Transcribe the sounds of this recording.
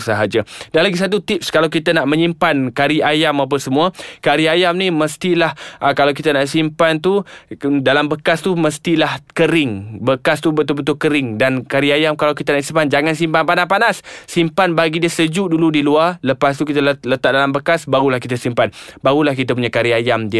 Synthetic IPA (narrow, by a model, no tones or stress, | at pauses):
səɦad͡ʒadanlaɡisat̪̬ut̪ip̚skalawkit̪anaʔmə̃ɲĩmpankaɾiajamap̬əsəmũəkaɾiajamnĩməst̪ilahəkalawkit̪ənaʔsimpant̪̬udalambəkast̪uməst̪ilahkəɾɪŋbəkast̪ubət̪ubət̪̬ʊkəɾɪŋdankaɾiajamkalawkit̪ənaʔsimpand͡ʒaŋansimpanpanaspanasːimpanbaɡidiəsəd͡ʒuʔduludilualəpast̪ukit̪ələt̪aʔ̚dalambəkasbaɾulahkit̪asimpanbaɾulahkit̪əp̬uɲakaɾiajamdi